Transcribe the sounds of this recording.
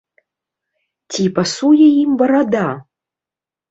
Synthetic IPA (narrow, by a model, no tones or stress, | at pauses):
t͡sʲʰipasujɛimbɐɾad̪a